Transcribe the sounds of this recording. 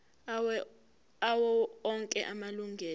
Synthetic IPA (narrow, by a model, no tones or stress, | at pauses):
awɔɔŋkʼɛ̰ʔamaluŋʱɛː